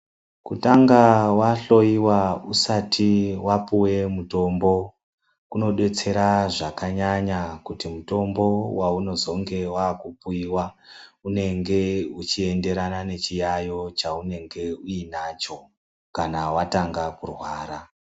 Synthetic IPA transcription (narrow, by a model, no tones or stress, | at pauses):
kutaŋɡawaɬo̞iwausatʰiwapuwe̞muto̞mbo̞ | kuno̞ɗe̞t͡se̞ɾaʐakaɲaɲakutimuto̞mbo̞wauno̞zo̞ŋɡe̞waːkupuiwaune̞ŋɡe̞ut͡ʃie̞nde̞ɾanane̞t͡ʃijajo̞t͡ʃaune̞ŋɡe̞uinat͡ʃo̞ | kanawataŋɡakurwaːɾa